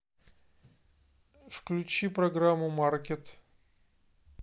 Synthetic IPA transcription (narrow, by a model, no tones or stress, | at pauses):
fklʲʉt͡ɕipɾɐɡɾamːʊmarkʲet̪